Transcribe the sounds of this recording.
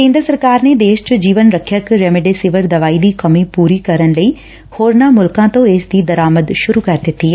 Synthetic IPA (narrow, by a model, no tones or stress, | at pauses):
kẽːnd̪ɾəsəɾkaːɾned̪eːʃt͡ʃd͡ʑiːʋənɾɐkʰjəkɾeːmɪɖesɪʋəɾd̪ɐʋaːid̪iːkɐmipuːɾikɐɾənləiː | hoːɾnamʊlkãt̪õeːsd̪id̪ɐɾaːməd̪ʃʊɾukɐɾd̪ɪt̪i